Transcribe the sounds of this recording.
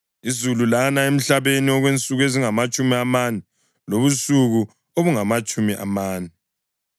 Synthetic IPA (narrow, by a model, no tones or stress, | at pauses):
izululanaem̩ɬaβeniɔɣwent͡sʼuɣeziŋamat͡ʃʼumiamanɛ | loβusuɣu | oβuŋamat͡ʃʼumiʔa̰maːnɛ